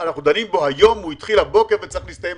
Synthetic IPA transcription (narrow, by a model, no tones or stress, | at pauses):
anaχnud̪animbo̞hajo̞muit̪χilhabo̞keʁvet͡saʁiχlist̪ajem